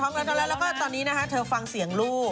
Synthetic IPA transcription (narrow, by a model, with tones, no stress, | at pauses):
t̪ʰɔː˦˥ŋɾɛː˧˥t̪ʰɔː˧lɛ˦˥lɛː˦˥maː˥˩t̪ɔː˧nːiː˦˥na˦˥kʰa˦˥t̪ʰɤː˧fa˧ŋsi˩˦əŋluː˥˩